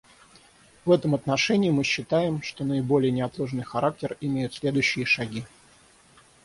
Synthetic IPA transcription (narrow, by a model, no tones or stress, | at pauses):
vɛt̪əmɐt̪nɐʂɛnʲɪːmɨɕːɪt̪ajɪmʂt̪o̞nəɪbo̞lʲɪjənʲɪɐt̪lˠoʐnɨjxɐɾak̚tʲɪrɪmʲejʊt̪sʲlʲe̞d̪ʊjɕːɪjəʂɐɡʲi